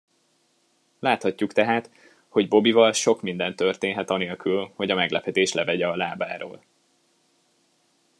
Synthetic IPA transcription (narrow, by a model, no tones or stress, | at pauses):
laːt̪hɒcːukt̪ɛɦaːt̪ | ho̞ɟbo̞bivɒlʃo̞kmind̪ɛnt̪ːørt̪eːnɦɛt̪ɒneːlkylho̞ɟɒmɛɡlɛpʰɛt̪eːʃlɛvɛɟɛɒlaːbaːɾo̰ːl